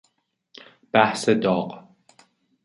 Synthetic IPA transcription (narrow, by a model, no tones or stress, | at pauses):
b̥aħsɐd̪ɔːqʼ